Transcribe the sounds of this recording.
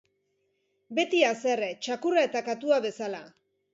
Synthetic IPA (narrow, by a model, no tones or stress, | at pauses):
be̞t̪iase̞ret͡ʃakurae̞t̪akat̪uaβe̞sala